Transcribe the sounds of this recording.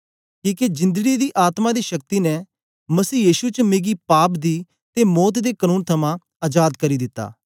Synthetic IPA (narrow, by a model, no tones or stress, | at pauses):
kiːked͡ʒɪ̃nd̪əɡid̪iːʔaːt̪mãd̪iːʃɐk̚t̪inɛ | mɐsiːjiːʃut͡ʃmeːɡiːpaːpd̪iː | t̪emɔːt̪d̪eːkənuːnt̪ʰɐmãː | aːd͡ʒaːd̪kəɾid̪ɪt̪ːa̰ː